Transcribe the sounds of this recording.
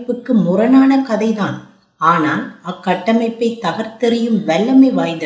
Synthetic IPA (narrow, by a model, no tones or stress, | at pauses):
pːɯkːɯmʊɾɐnaːnɐkɐðɐɪðaːn | aːnaːlɐkːɐʈːɐmɐɪpːɐɪt̪ːɐɣɐɾt̪ɛɾɪjɯmʋɛlːɐmɐɪʋaːjðɯ